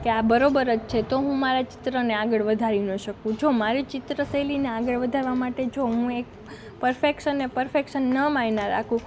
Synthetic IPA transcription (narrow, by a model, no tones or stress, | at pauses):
keabəɾobəɾəd͡ʒt͡ʃʰet̪oɦũmaɾat͡ʃɪ̥t̪ɾəneaɡəɭʋəd̪ʱaɾinəʃəkũt͡ʃʰomaɾit͡ʃɪt̪ɾəsəlineaɡəɭʋəd̪ʱaɾʋamaʈet͡ʃʰoɦũek | pəɾfekʃənːepəɾfekʃənːəmajnaɾa̰kʰũ